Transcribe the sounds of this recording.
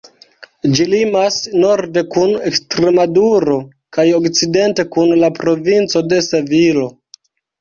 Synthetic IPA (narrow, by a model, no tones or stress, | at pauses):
d͡ʒilimasno̞ɾde̞kunekstɾemaduɾo̞ | kajo̞kt͡side̞nte̞kunlapɾo̞vint͡so̞de̞sevilo̞